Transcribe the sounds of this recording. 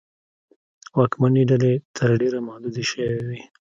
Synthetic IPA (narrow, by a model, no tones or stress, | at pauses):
wɑkmaniɖalet̪ʰəɾɖeɾamahd̪ud̪iʃəwewi